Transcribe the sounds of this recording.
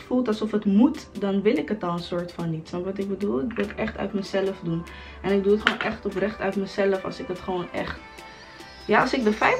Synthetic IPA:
fulˠtɑlˠsɔfətmutdɑnʋɪlɪkɦətɔlˠənsʊːɹtfɑnːitʋɑntʋɑtɪɡ̚bədulˠɪkʋɪlˠətɛχtœ̰ɥtməz̥ɛləfdun | ʔɛnɪɡ̚duətχonʔɛχtɔprɛχtœɥtməzɛləfɑ̰lˠsɪkətχəʋoːnɛ̰χt | jaɑlˠsɪk̚dəfɛj

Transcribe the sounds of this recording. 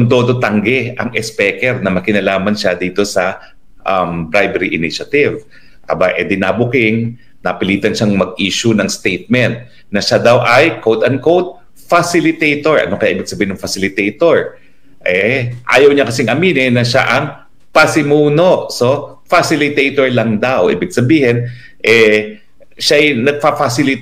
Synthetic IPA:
ʊnd̪o̞ːd̪o̞t̪ɐŋɡɛʔɐŋʔɛspɛːkɛɾnɐmɐkɪnɐlaːmɐnʃad̪iːt̪o̞sɐ | ʔɐmbɾajbɛɾiʔɪnɪʃɐt̪ɪv | ʔɐ̰baʔɛd̪ɪnaːbʊkɪŋ | nɐpɪliːt̪ɐnʃaŋmɐɡ̚ʔiːʃʊnɐŋst̪ejt̪̚mɛnt̪̚ | nɐʃad̪awʔɐjkowd̪ɐn̚kowt̪̚ | fasɪlɪt̪ejt̪oɹʔɐ̰nokɐjaʔiːbɪɡ̚sɐbiːhɪnɐŋfɐsɪlɪt̪ejt̪oɹ | ʔɛʔa̰ːjɐwɲɐkɐsɪŋʔɐmiːnɛnɐʃa̰ʔɐŋ | pɐsɪmuːnoʔso̞ | fasɪlɪt̪ejt̪oɹlɐŋd̪awʔʔḭːbɪɡ̚sɐbiːhɪn | ʔɛ | ʃaʔɐjnɐɡ̚pafasɪlɪ

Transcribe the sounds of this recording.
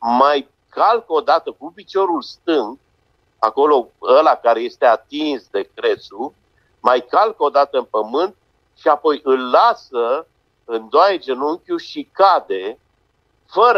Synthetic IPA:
maj | kalkəo̞d̪at̪əkupit͡ʃo̞ɾulst̪ɨŋɡ | a̰ko̞lo̞əlakaɾe̞je̞st̪e̞at̪insd̪e̞kɾe̞t̪su | majkalkəod̪at̪əɨnpəmɨnt̪̚ | ʃiapo̞jʔɨlːasə | ɨnd̪oaed͡ʒenuŋkʲuʃikad̪e̞ | fəɾ

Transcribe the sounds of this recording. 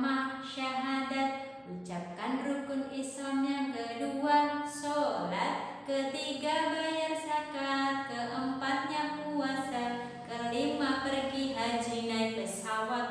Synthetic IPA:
mahʃaɦadat̪̚ | ut͡ʃap̚kanrukunisɔnɲakəduasolat̪̚kət̪iɡabajansakat̪̚kəʔəmpat̪̚ɲakuasan | kəlimapərɡiɦad͡ʒinajpəsawat̪̚

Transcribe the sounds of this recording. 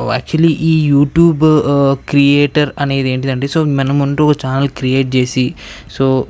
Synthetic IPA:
ɛ̰ːk̚t͡ʃuɐliʔiːjuːʈjuːbkɾijeːʈɐɾɐne̞ːd̪e̞ːɳʈ̬id̪ɐɳʈeːsoːmɐnɐmunːʈuɔkɐt͡ʃaːnɐlkɾijeːʈ̚t͡ʃe̞ːsi | soː

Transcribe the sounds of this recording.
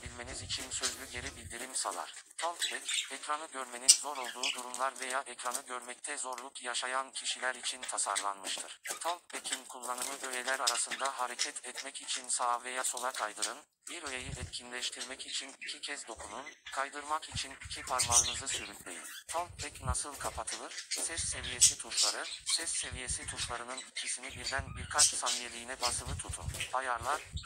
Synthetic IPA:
bilʲmenizit͡ʃʰinsø̞zlʲyɟe̞ɾibilʲd̪iɾimsalˠa̰ɾ̥t̪ʰalˠkbɛcɛcɾanɯɟøɾme̞ninzo̞ɾo̞lˠd̪uːd̪uɾumlˠaɾve̞jaːʔɛcɾanɯɟøɾmɛc̚t̪ʰɛzo̞ɾlˠukjaʃajancʰiʃilʲæɾit͡ʃʰint̪ʰasa̰ɾlˠa̰nmɯʃt̪ʰɯ̰ɾ̥t̪ʰalˠk̚becʰinkʰulˠːanɯlˠɯʔøjelʲæɾaɾasɯnd̪aɦaɾecʰɛt̪ʰɛt̪mɛcit͡ʃʰinsavejaso̞lˠakʰajd̪ɯɾɯn | biɾøjejiʔɛt̪cʰinlʲɛʃt̪ʰiɾmɛcit͡ʃʰinicʰicʰɛzd̪o̞kʰununkʰajd̪ɯɾmakit͡ʃʰinicʰipʰaɾmalˠɯnɯzɯsyɾycʲlʲḛjḭnt̪ʰalˠk̚bʰɛcnasɯlˠkʰapʰat̪ʰɯlˠɯɾ̥sɛsːe̞vije̞sit̪ʰuʃlˠaɾɯsɛsːe̞vije̞sit̪ʰuʃlˠaɾɯnɯnicʰisinibiɾd̪ænbiɾkʰat͡ʃsanijelʲijːnɛbasɯlˠɯt̪ʰut̪ʰṵnbajaɾlˠaɾ

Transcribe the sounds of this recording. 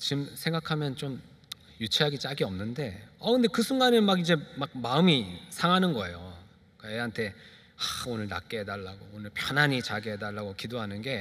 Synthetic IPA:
t͡ɕimsʰe̞ŋɡakʰamjʌnt͡ɕ͈om | jut͡ɕʰeɦaɡit͡ɕ͈aɡiʌmnɯnde̞ʌkɯnde̞kɯsʰuŋɡanɯnmaɡid͡ʑe̞mak̚maɯmisʰaŋanɯnɡʌe̞jo | k͈ajeɦantʰe̞ | aonɯɭna̰k͈eɦedaɭːaɡoonɯɭpʰjʌnaɲit͡ɕaɡeɦedaɭːaɡokidoɦanɯnɡe̞

